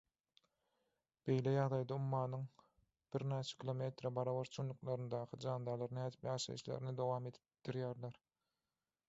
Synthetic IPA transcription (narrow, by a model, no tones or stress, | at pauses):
b̥e̞jlejɑʁd̪ɑjd̪ɑumːɑːnɯŋ | b̥iɾnæːt͡ʃʰe̥kʲʰilˠome̞t̪ɾɑbɑɾɑβɑɾt͡ʃʰunːuqlˠɑɾɯnd̪ɑːqʰɯd͡ʒɑːnd̪ɑlˠɑɾnæːd̪ipjɑːʃɑ̰jiʃlḛɾinid̪o̞wɑːme̞d̪i̥p̚d̪̥iɾjæːɾleɾ